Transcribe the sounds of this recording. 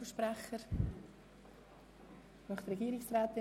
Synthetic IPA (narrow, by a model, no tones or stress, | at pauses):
əʃpɾæχəɾ | nɔχtrɛɡiːɾɪksraːt̪ɪ